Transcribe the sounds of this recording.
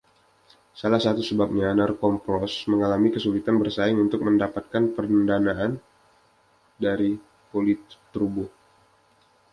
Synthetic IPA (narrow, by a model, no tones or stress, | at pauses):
salahsat̪usəbap̚ɲanarkɔmpɔsməŋalamikəsulit̪anbərsaɪŋunt̪ʊk̚məndapat̪̚kanpərndanaʔan | daɾi | polit̪ː | ɾubʊh